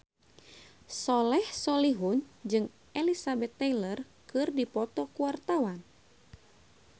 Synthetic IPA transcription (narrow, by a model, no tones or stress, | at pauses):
sɔlɛhsɔliɦund͡ʒɨŋ | ʔɛlisabɛt̪ːɛjlər | kɨrdipɔt̪ɔkuwart̪awan